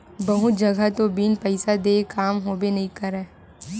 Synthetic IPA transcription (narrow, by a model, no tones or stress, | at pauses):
bɐɦʊd͡ʒɐɡat̪obinpɛɪsad̪eːkaːmɦoːbenɐɦĩkɐɾɛː